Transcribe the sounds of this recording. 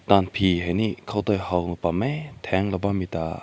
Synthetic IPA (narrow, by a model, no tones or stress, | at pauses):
t̪anpʰiɦajnikʰawt̪ɔjhawlpamejt̪ʰɛŋlɔbamita